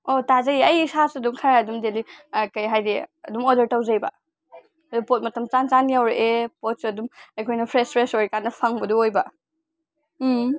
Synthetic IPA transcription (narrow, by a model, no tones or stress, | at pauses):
otazɐjɐjisasɐdumkʰaɾaɐdumdelikɐjɦajdḭɐdumodɐɾtɐwzɐjbɐ̰ | dupot̚mɐtɐmt͡ʃant͡ʃanjawɾeʔepot̚suɐdumɐjkʰojnɐpʰɾespʰɾesojɾkanːɐpʰaŋbɐduojbɐ